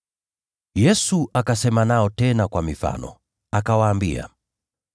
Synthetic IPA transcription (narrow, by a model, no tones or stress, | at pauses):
jɛsuʔakasɛmanaɔtɛnakwamifa̰nɔ̰ | akawaːmbḭa̰